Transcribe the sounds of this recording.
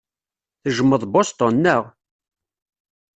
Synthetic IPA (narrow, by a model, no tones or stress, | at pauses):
θəʒəmːəðˤbost̪onːəʁ